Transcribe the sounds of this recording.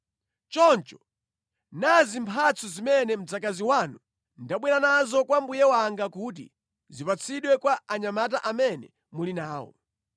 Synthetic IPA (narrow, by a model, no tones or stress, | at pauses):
t͡ʃɔnt͡ʃɔ̥ | nazimpʰat͡sʰɔzimɛnɛm̩d͡zakaziwanu | ndaɓwɛɾanazɔkwambujɛwaŋɡakut̬ḭ | zipat͡sʰiɗwɛkwaaɲamat̬aʔamɛnɛ | mulinaːwɔ̰